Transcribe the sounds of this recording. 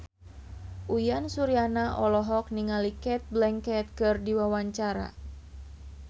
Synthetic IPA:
ʔujansuɾianaʔɔlɔɦɔk̚niŋalikɛt̪̚blɛŋkɛt̪̚kɨrdiwawaɲt͡ʃaɾa̰

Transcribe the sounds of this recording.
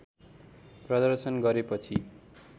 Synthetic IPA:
prʌd̪ʌrsʌnɡʌɾepʌt͡sʰi

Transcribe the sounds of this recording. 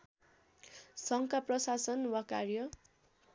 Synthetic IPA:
sʌŋkaprʌsasʌnwakarjʌ

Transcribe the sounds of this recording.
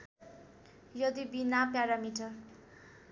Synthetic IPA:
jʌd̪ibinapjaɾamiʈʌr

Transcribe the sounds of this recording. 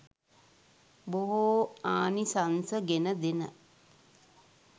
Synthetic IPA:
boɦoaːnisansəɡenəd̪enə̰

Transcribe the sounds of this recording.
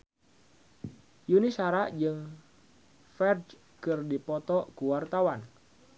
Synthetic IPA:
junisaɾaʔd͡ʒɨŋ | fɛrd͡ʒ | kɨrdipɔt̪ɔkuwart̪awan

